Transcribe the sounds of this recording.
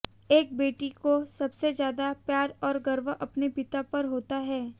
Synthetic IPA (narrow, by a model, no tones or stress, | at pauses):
eːk̚beːʈikosɐbsezjaːd̪apjaːɾɔːɾɡɐɾʋəʔɐpnepɪt̪apɐɾɦoːt̪aɦɛː